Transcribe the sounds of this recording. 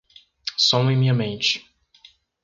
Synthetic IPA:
sõw̃ẽj̃mĩɲɐmẽnt͡ʃɪ̥

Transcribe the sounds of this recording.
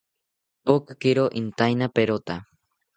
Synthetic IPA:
pokakiɾoʔint̪ajnapeɾot̪a

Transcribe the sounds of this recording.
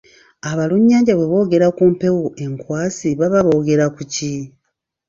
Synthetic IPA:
aβaluɲːaːɲɟaβwe̞βo̞ːɡe̞ɾakuːmpe̞woʔe̞ŋkwaːsiβaβaβo̞ːɡe̞ɾakuci

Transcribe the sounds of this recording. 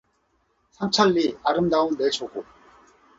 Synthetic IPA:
sʰamt͡ɕʰaʎːiaɾɯmdaunːeɭt͡ɕʰoɡo

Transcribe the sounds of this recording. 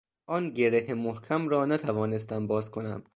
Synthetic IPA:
ʔɒːnɟe̞ɾehemohkʰæmɾɒːnæt̪ʰævɒːne̞st̪æmbɒːzkʰo̞næ̰m

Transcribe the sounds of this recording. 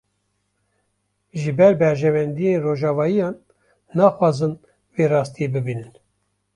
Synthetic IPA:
ʒɨbɛɾbɛɾʒɛvɛnd̪ijenroːʒɑːvɑːjijɑːnː | ɑːxwɑːzɨn | veːrɑːst̪ijebɨbiːnɨn

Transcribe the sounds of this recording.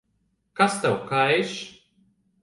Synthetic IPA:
kast̪awkajʃ

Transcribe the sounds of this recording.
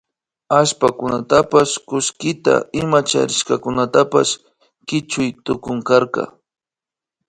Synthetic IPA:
aʃpakʊnat̪apaskʊskɪt̪a̰ɪmat͡ʃa̰ɾɪʃkɑkʊnat̪apa̰s | kɪt͡ʃʊjt̪ʊkʊŋkaɾqɑ̰

